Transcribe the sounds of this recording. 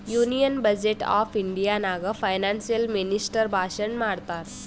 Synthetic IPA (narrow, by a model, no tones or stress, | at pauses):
junijənbəd͡ʑeʈɔ̰fiɳɖijanaɡəfajnansijəlminisʈəɾbʱaɕəɳmaɽt̪at̪